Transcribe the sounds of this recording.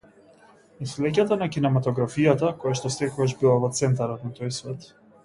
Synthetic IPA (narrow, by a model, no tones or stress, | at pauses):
islɛc̬at̪anakinɛmat̪ɔɡɾafijat̪akɔjaʃt̪ɔst̪ɛkɔɡaʒbilˠavɔt̪sɛnt̪aɾɔt̪nat̪ɔjsvɛt̪